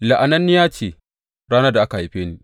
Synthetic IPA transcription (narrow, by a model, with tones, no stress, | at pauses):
la˨ʔa˨nɐ˦nːɪ˦jaː˦t͡ʃeː˨ | ɾaː˦na˦da˨ʔa˦ka˨i˨ɸeː˦ni˦